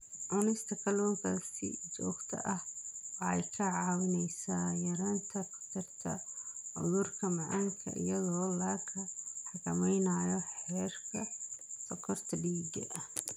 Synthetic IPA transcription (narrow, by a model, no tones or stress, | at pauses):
ʕʊnɛst̪ʰɐkʰɐlɔːŋkʰɐsɪ̰d͡ʒɔːɡt̪ʰɐ̰ʔɐhwɑħɛjkʰɐʕɑːwɪnɛjsaːjɐɾaːnt̪ʰɐkʰʊ̥t̪ʰɪrt̪ʰɐ̰ʕʊ̰ðʊrkʰɐmɐʕɑŋkʰɐ̰ʔɪ̰jɐðɔːlaːkʰɐħɑkʰɐmɛjnaːjɔħɛːrkʰɐfɐkʰɔrt̪ʰɐɖiːɡɐ̰ʔɐh